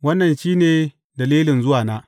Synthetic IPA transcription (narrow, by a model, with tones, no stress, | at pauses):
wɐ˦nːɐ˨nʃiː˦neː˨ | dɐ˨liː˦lɪ˨nzʊ˦waː˨naː˦